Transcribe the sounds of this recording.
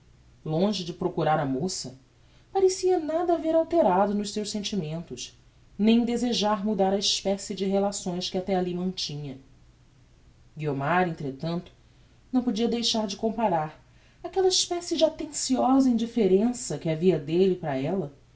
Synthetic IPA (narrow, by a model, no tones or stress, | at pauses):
lõʒɪd͡ʒɪpɾokuɾaɾɐmosɐ | paɾesiɐnad̪ɐːveɾawt̪eɾad̪ʊnʊʃsewʃsẽnt͡ʃimẽnt̪ʊʃ | nẽj̃d̪ezeʒaɾmud̪aɾɐiʃpɛsɪd͡ʒɪɦelasõj̃skɪat̪ɛalimɐ̃nt͡ʃĩɲɐ | ɡiomaɾẽnt̪ɾet̪ɐ̃nt̪ʊ̥ | nɐ̃w̃pod͡ʒiɐd̪ejʃaɾd͡ʒɪkõmpaɾaɾ | akɛlɐiʃpɛsɪd͡ʒɪat̪ẽsiɔzɐĩnd͡ʒifeɾẽsɐkɪaviɐd̪elɪpɾɐɛlɐ